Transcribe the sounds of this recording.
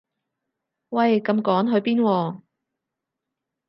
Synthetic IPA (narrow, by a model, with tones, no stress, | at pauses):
wɐ˧˨jkɐ˧mkɔː˨˥ŋɦɵ˨˧ɥpiː˥nwɔː˧